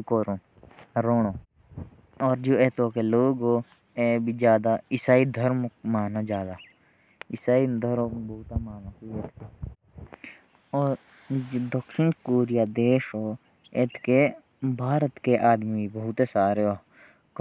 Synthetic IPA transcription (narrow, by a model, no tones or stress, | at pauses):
koːɾõ | ɾoːɽõː | ɔːɾd͡ʒoːeːt̪oːkeloːɡɦoː | eːbʱid͡ʒjaːd̪aɪsaːid̪ʱəɾmmaːnad͡ʒjaːd̪aː | ɪsaːid̪ʱəɾoːbəɦʊt̪amaːnakieːt̪ke | ɔːɾ | d͡ʒod̪əkʃɪnkoːɾɪjaːd̪eːʃɦoː | eːt̪ke | bʱaːɾət̪keʔaːd̪mibibəɦʊt̪esaːɾeoː | k